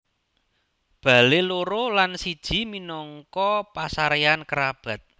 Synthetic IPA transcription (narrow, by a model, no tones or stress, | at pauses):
b̥a̤leloɾolansid̥ʒ̥i̤minɔŋkɔpasaɾeankəɾab̥ä̤t̪̚